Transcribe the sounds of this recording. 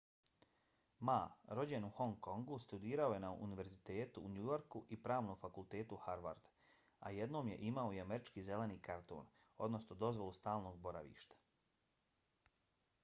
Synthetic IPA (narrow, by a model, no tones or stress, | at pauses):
maːɾo̞d͡ʑenuho̞ŋko̞ŋɡust̪ud̪iːɾaoje̞naʔṵniʋe̞ɾzit̪e̞ːt̪uːɲujo̞ɾkuʔipɾaːʋno̞ːmfakulˠt̪e̞ːt̪uhaɾʋa̰ɾd̪̥ | a̰je̞d̪no̞ːmje̞̰ʔimaoiameɾit͡ʃkiːze̞le̞niːkaɾt̪o̰ːn | o̞d̪no̞snod̪o̞zʋo̞lust̪aːlno̞ːɡ̚bo̞ɾa̰ʋḭːʃt̪ḁ